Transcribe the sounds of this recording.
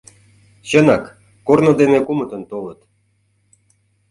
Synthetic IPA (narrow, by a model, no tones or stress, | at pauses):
ɕə̆nɑkː | ornŏd̪enekumə̆t̪ə̆nt̪olɤə̆t̪